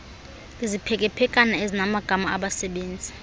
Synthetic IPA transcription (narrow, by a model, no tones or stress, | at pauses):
lizipʰɛk̬ʼɛpʰɛkʼanaezinamaɡ̥ʱamaaɓasɛɓeːnd͡zʱi